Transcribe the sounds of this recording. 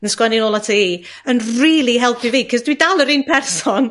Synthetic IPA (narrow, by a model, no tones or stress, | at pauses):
nəskwɛnɪnoːlˠatʰii | ənriːlˠiɦɛlˠpʰiviːkʰɔzdwidalˠəɾinpʰɛrsɔn